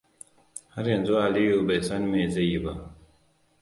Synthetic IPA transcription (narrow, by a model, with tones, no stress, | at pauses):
ha˦ɾa˨n˨d͡zo˦a˨li˦jo˦˨be˨sa˦n˦me˨ze˦ji˨ba˨